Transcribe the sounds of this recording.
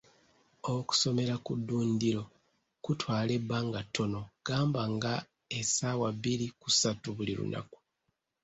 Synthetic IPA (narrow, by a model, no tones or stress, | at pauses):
oku̥so̞me̞ɾakudːuːndiɾo̞ | kutwaːle̞bːaːŋɡatːo̞no̞ɡ̥aːmbaŋɡa | esaːwaβiɾikusatuβuliɾṵnʔa̰ku̥